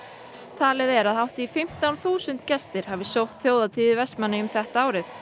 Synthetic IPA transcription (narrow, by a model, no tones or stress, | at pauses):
t̪ʰaːlɛðɛɾaðɦawht̪ɪːfɪm̥t̪awnθuːsʏnt̪cɛst̪ɪɾ̥havɪsowht̪θjoːwðat̪ʰiːðɪvɛsmanːɪʏmθɛht̪aaːwɾɪθ